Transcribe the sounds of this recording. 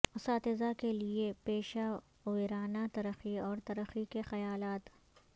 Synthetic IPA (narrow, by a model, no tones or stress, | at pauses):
ʊsaːt̪ɪzakeliepeːʃa | ʊiɾaːnat̪ɐɾəxiɔːɾt̪ɐɾəxikexɐjaːlaːt̪